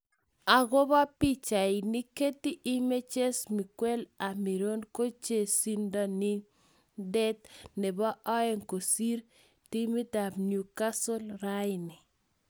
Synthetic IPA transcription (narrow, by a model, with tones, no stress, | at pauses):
a˨ɡɔ˦ba˦pi˦t͡ʃa˨ɪ˨ni˦ke˦ti˦ʔi˦me˦t͡ʃe˦smi˨kwɛ˦la˨mi˨ɾo˦nko˦t͡ʃe˨si˦nda˦nɪ˦ | dɛ˦t̪̚nɛ˨ba˦ʔɔ˦ɛ˦ŋko˨si˦ɾ | ti˦mi˦da˨bnju˨ka˦so˦lɾa˦jɪni˨